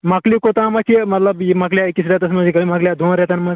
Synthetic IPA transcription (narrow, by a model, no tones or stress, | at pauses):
maklikot̪ãmakimət̪ləbimakljaekːisɾat̪əsnməd͡ʑikəimakljad̪ʱõnɾjat̪anmə